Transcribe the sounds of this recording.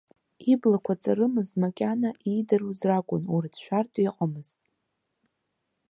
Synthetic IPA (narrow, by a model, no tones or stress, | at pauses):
iblakʷʰat͡sʼaɾɨmɨzmakʲʼanaʔidɨruzrakʷʼʊnurdʰʃʷᶣartʼiqʼamɨztʼ